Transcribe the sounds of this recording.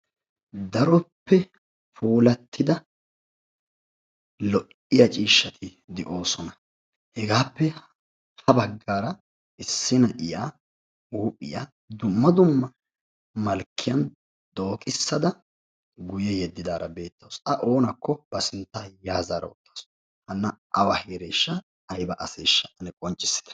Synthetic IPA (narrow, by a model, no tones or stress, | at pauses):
d̪ɐɾɔpːɛ | puːlɐt̪ʰːɪd̪ɐ | lɔʔ | ɪjɐt͡ʃʼiːʃːɐt̪ʰɪ | d̪ɛʔo̞ːsɔnɐ | hɛɡaːpːɛ | hɐbɐɡːaːɾɐ | ɪsːɪnɐʔɪjaː | uːpʼːɪ̰ja̰ː | d̪ʊmːɐd̪ʊmːɐ | mɐlkʰːɪjɐn | d̪̥o̞ːkʼɪsːɐd̪ɐ | ɡʊjɛjɛd̪ːɪd̪aːɾɐ̰be̞ːt̪ːɐwsɐʔo̞ːnɐkːɔb̥ɐsɪnt̪ːaːjaːzaːɾɐ̰wɔ̰t̪ːḁːsɔ̥ | hɐnːɐʔɐwɐheːɾeːʃːɐ | ɐjbɐʔɐseːʃːɐʔɐnɛkʼɔnt͡ʃʼːɪ̥sːɪ̥d̪ɐ̥